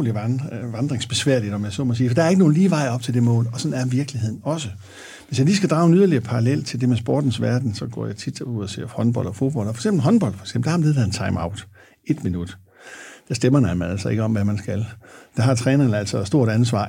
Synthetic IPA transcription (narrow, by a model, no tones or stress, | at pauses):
liʋɑ̈nd̥ʁeŋsb̥e̝sʋæɐlid̥ɒ̽mjäɪsɔmɒsiːfɒ̽d̥ɑ̈ɐe̝ɡ̥əno̝ːn̩liːʋɑ̈ɪ̰ɒ̽b̥̚t͡sʰe̝ld̥e̝mɔ̰̽ːlɒ̽sɒ̽næɐʋiɐɡ̥lihe̝ð̰ˠn̩ɒ̽s̬ə | ʋe̝sjɑliːsɡ̥æd̥ʁɑ̈ʊenyð̞ˠɐliɐpʰɑ̈ʁɑlel̰t͡sʰe̝ld̥e̝mesb̥o̰ːd̥n̩sʋæɐd̥n̩sɒ̽ɡ̥ɒ̰ːjɑ̈ɪt͡sʰid̥uð̰ˠɒsʰe̝̰ːhɒ̽nb̥ɒ̽l̰d̥ɒfo̝ð̥b̥ɒ̽l̰dfɒ̽ɪ̥ɡ̥semb̥l̩ɦɒ̽nb̥ɒ̽ld̥fʰɒ̽ɪ̥ɡ̥sembl̩d̥hɑmænleðˠhænt͡sʰɑ̈ɪmäʊd̥ | e̝d̥minud̥ | d̥æ̈sd̥emɐnæmææl̰sɒ̽e̝ɡ̥əɒ̽mʋæmænsɡ̥æld̥æ̈ɦɑ̈t͡sʰʁɛːnɐnəæl̰sɒsd̥o̝ɐ̰ɾ̥æns̬ʋɑ̰̈ː